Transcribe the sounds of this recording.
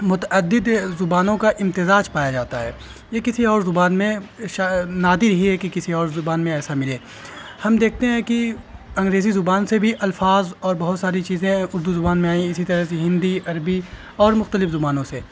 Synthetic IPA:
mʊt̪əd̪ːɪd̪zʊbaːnõkaʔɪ̃mt̪ɪzaːd͡ʒpaːjad͡ʒaːt̪aɦɛ̰ː | jekɪsiɔːɾzʊbaːnmẽʃanaːd̪ɪɾɦiɦɛkikɪsiɔːɾzʊbaːnmẽɛːsamɪleː | hɐmd̪eːk̚ʰt̪eɦɛ̃kiɐ̃ŋɡɾeːzizʊbaːnsebʱiʔɐlfaːzɔːɾbɐɦʊt̪saːɾit͡ʃiːzẽʊɾd̪uzʊbaːnmẽaːĩɪsit̪ɐɾəseɦɪ̃nd̪iʔɐɾbi | ɔːɾmʊxt̪əlɪfzʊbaːnõseː

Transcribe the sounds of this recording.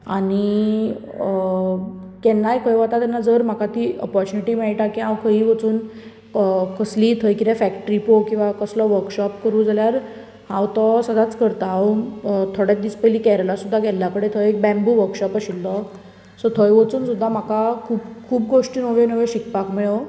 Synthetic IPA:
aɽ̃i | kɛnːajkʰəjʋat̪at̪ɛnːad͡zəɾm̤akat̪iːə̰pɔɾt͡ɕuniʈiːmɛɭʈakiãwkʰəɦiːʋət͡suːn | kəsliːt̪ʰəjkid̪ɛfækʈəɾipokĩw̃ʋakəslɔʋəɾkɕɔpkəɾũːd͡zʱaljaɾ | hãwt̪ɔsəd̪ʱat͡skəɾt̪a | t̪ʰoɽjat̪̚d̪iːspəjliːkɛɾəlasud̪ʱːaɡɛljakəɽet̪ʰəjek̚bɛ̃mbuːʋəɾkɕɔpaɕilt̪ɔ | sɔt̪ʰəjʋət͡suːnsud̪ʱːam̤akakʰuːbkʰuːpɡoʂʈiːnəʋenəʋeɕik̚pakmiɭə

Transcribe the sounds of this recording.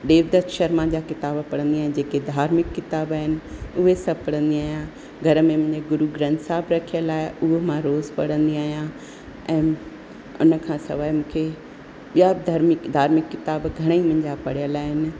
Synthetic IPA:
ɗeːʋd̪əkʃɐɾmãd͡ʑaːkɪt̪aːbpɐɽə̃nd̪iaːɦɪnɪ̆d͡ʑeːked̪ʱaːɾmɪkːɪt̪aːbaːɦɪnɪ̆ʊɦesɐpəɽə̃nd̪iaːɦijã | ɡʱɐɾəmẽmʊ̃ɦɪ̃ɲd͡ʑeɡʊɾuɡɾɐ̃nsaːbɾɐkʰijəlaːɪʊɦomãɾoːzpɐ̰ɽ̤ə̃nd̪iaːɦijã | ʔɛ̃ː | ʊ̰nə̆kʰãːsɐ̰ʋaːimũːkʰe | ɓijad̪ʱaɾmɪkd̪ʱaːɾmɪkːɪt̪aːbɡʱɐɽ̃eimʊ̃ɦɪ̃ɲd͡ʑapɐɽijəlaːɦɪnɪ̆

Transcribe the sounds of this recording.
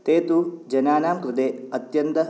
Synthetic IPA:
t̪eːt̪ud͡ʒɐnaːnaːmkɾɪd̪eːɐt̪jɐnt̪ɐ

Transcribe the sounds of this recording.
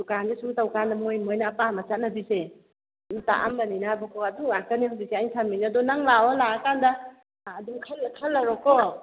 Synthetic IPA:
dukanzesuŋtawkandɐmojmojnaːpamat͡ʃat̚nɐbise | nuta̰ʔa̰mbɐninabɔkʰɔɐduakənihawbiseajsʰaminiadɔnaŋlawalaakandɐː | duŋkʰalkʰalːɐɾɔkɔ

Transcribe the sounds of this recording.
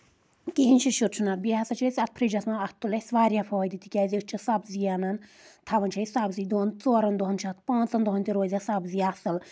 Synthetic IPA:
kiɦinʃiʃuɾt͡ʃʰunɐt̪biasɐt͡ʃʰɐsʲɐt̪̚pʰɾid͡ʒɐsnaɐt̪ːulɐsʋaːɾjapʰoːjd̪it̪ʰikʲaːzʲiɨt͡ʃʰisɐbzijanɐn | t̪ʰɐʋɐnt͡ʃʰɐjsɐbziːd̪oːnt͡soːɾɐnd̪oɦɐnt͡ʃʰat̪ʰpãːnt͡sɐnd̪oɦɐnt̪iɾoːzʲasɐbziːɐsɨl

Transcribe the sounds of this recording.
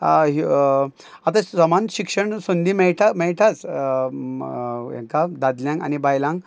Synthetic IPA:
ɦ | at̪asamanɕikʂəɳsond̪imɛɭʈʰamɛɭʈʰat͡s | jḛ̃ŋkad̪ad̪ljãŋka̰nibajlãŋɡ

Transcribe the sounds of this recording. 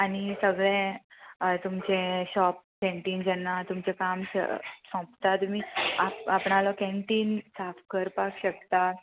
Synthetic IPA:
añisəɡɭẽ | t̪umt͡ɕẽɕɔp̚kẽɳʈind͡ʑɛnːat̪umt͡ɕekamssɔ̃pt̪at̪miːaapɳalɔkẽɳʈiːnsafkəɾpakɕək̚t̪a

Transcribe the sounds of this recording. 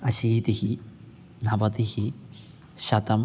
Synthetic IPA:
ɐʃiːt̪ihi | nɐbɐt̪ihi | ʃɐt̪ɐm

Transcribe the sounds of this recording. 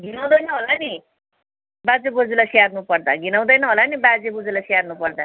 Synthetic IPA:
ɡʱinaw̃d̪ʌjnʌɦolani | bad͡zebod͡zilasiarnupʌrd̪aɡʱinaw̃d̪ʌjnʌɦolanibad͡zebod͡zulasiarnupʌrd̪a

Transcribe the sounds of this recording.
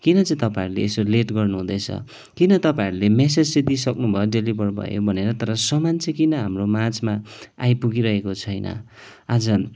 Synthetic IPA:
kinʌt͡sʌĩt̪ʌpaiɾulḛːsoleʈɡʌrnuɦũd̪ʌjt͡sʰʌ̰ | kinʌt̪ʌpãiɾulemes̬ed͡zsed̪isʌknubʱʌjeoɖelibʱʌrbʱʌ̰jo̰bʱʌneɾʌt̪ʌɾʌsʌmant͡sẽkinʌɦamromat͡smaa̰jpuɡiɾʌɦekot͡sʰʌjnʌ̰ | ad͡zʌ

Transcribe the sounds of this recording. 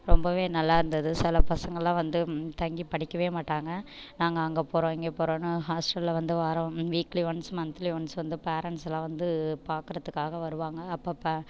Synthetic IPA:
ɾɔmbɐʋeːnɐlːaːɪɾɯnd̪ɐðɯsɪlɐpɐsɐŋɡɐɭlãːʋɐnd̪ɯt̪ɐŋɡipɐɽɪkːɐʋeːmaːʈːaːŋɡɐnaːŋɡɐːŋɡɐpɔːɾõɪŋɡeːpoːɾõːnːɯɦaːsʈɐlːʋɐnd̪ɯʋɐːɾõʋiːkliʋɐnsmɐnt̪liʋɐnsʋɐnd̪ɯpeːɾɐɳʈsɐlãːʋɐnd̪ɯpaːɾkɯɾɐðɯkːaːɣɐʋɐɾɯʋaːŋɡɐːpːɐːpːɐ

